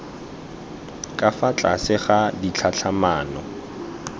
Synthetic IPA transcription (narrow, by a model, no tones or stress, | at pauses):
kʼafat͡ɬʼasɪχadit͡ɬʰat͡ɬʰamaːnɔ